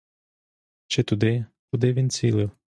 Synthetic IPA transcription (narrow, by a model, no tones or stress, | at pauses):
t͡ʃɪt̪ʊd̪ɪkʊd̪ɪʋʲint͡sʲilˠɪw